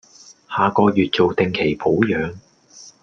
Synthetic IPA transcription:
haː˨kɔː˧jyː˨t̚t͡so˨wt̪ɪ˨ŋkʰe˨˩jpʰo˨˥wjœː˨˧ŋ

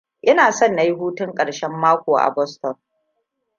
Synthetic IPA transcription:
ʔɪ˦naː˨sɔ˦˨nːa˦ji˦ɦuː˦tʊ˦ŋkʼɐ˨ɽʃɛ˦mːaː˦kʷoː˨ʔa̰˨bɔ˦stɔ˨n

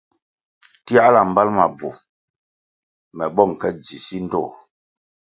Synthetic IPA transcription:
ti˦a˦la˨m̩˨ba˦lma˨b͡vu˨ | mɛ˨bɔ˦˨ŋ˨kɛ˦d͡zi˨si˦n̩˦dɔ̰˦˨

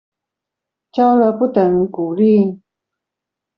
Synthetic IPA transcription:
t͡ɕɑ˥ʊlə˧˦pu˥˩t̪ə˨˧˦ŋku˨˩li˥˩

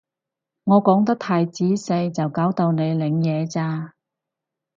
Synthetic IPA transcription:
ŋɔː˨˧kɔː˨˥ŋt̪ɐ˥k̚t̪ʰaː˧jt͡siː˨˥se˧jt͡sɐ˨wkaː˨˥wt̪o˨˧wne˨˧jlɪ˨˧ŋjɛː˨˧t͡saː˧

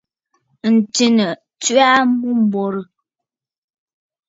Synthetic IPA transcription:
n̩˨ti˨nə˨ | t͡sɥa˦mu˦m̩˨bɔ˨ɾə˨

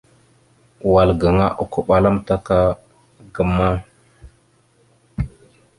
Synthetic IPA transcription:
wa˨lɡə˨ŋa˦ʔu˨ku˦ɓa˨la˦mta˦ka˦ | ɡə˨ma˦

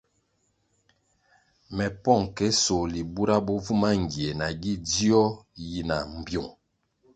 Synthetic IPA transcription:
mɛ˨pɔ˦˨ŋkɛ˦so˨li˨bu˦ɾa˦bɔ˦vu˦ma˦ŋ̩˨ɡi˨e˨na˨ɡi˦di˦ɔ˦ji˨na˨m̩˨bjo˨ŋ

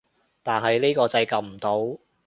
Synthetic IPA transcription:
t̪aː˨nɦɐ˨jliː˥kɔː˧t͡sɐ˧jkɐ˨˩m̩˨˩t̪o˨˥w

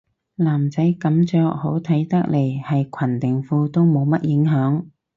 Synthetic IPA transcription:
laː˨˩mt͡sɐ˨˥jkɐ˨˥mt͡ʃœː˧k̚ho˨˥wt̪ʰɐ˨˥jt̪ɐ˥k̚le˨˩jhɐ˨jkʰɐ˨˩nt̪ɪ˨˩ŋfuː˧t̪o˥wmo˨˧wmɐ˥t̚jɪ˨˧˥ŋɦœː˨˥ŋ

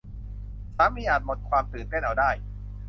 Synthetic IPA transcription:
t͡ɕʰaː˦˥miː˧˥ʔaː˨˩t̪̚mo˨˩t̪̚kʰwaː˧mt̪ɯː˨˩nt̪e˥˩nʔa˧wdaː˥˩j

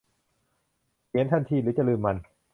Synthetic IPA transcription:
kʰi˨˦nt̪ʰa˧˥˩nt̪ʰiː˧˩ɾɯː˨˩˦t͡ɕa˧˨lɯː˧mːa˧n

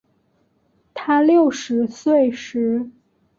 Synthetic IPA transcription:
t̪ʰa˥ljo˥˩ʊʂɻ̩˧˥swe˥˩ɪʂɻ̩˧˥

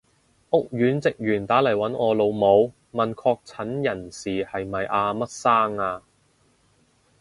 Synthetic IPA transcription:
ʔʊ˥k̚jyː˨˥nt͡sɪ˨k̚jːnt̪aː˨˥lɐ˨˩jwɐ˨˥nɔː˨˧lo˨˧wmo˨˧w | mɐ˨˩nkʰɔː˧k̚t͡sʰɐ˨˥njɐ˨˩nsiː˨hɐ˨jmɐ˨jʔaː˧mɐ˥t̚saː˥ŋaː˧

